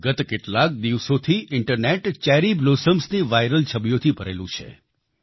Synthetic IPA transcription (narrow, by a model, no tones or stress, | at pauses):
ɡət̪keʈlak̚d̪iʋsot̪ʰiʔɪɳʈəɾneʈt͡ʃɛɾiblosəmsniʋajɾəlt͡ʃʰəbjot̪ʰipəɾḛlũt͡ʃʰḛ